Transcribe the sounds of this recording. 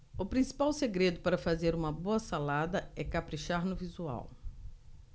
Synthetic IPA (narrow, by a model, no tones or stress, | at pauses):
ʊpɾĩsi̥pawseɡɾed̪ʊpaɾɐfazeɾũmɐboɐsalad̪ɐɛkapɾiʃaɾnʊvizua̰w